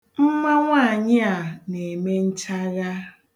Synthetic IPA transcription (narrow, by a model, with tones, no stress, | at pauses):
m̩˦ma˦ŋʷa˦˨ɲɪ˦a˨ne˨me˦n̩˦t͡ʃa˦ɣa˦